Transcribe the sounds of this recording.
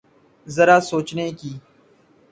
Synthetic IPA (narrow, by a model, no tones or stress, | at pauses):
zɐɾaːsoːt͡ʃnekiː